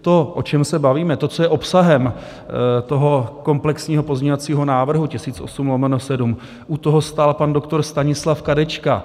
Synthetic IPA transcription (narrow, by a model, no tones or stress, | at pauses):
t̪o̞ʔo̞t͡ʃɛmsɛbaviːmɛt̪o̞t͡sojɛʔo̞psaɦɛm | t̪o̞ɦo̞ko̞mplɛksɲiːɦo̞po̞zmɲeɲovat͡siːɦo̞naːvr̩ɦucɪsiːt͡sʔo̞̰sumlomɛnosɛdum | ʔut̪o̞ɦo̞st̪aːlpando̞kt̪o̞ɾst̪aɲɪslafkadɛt͡ʃka